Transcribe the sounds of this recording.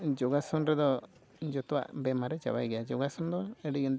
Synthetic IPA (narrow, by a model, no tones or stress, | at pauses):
d͡ʒɔɡasɔnɾɛd̪ɔ | d͡ʒɔt̪ɔwa̰ʔbɛmaɾɛt͡ʃawajɡɛjad͡ʒɔɡasɔnd̪ɔɛɖiɡɛn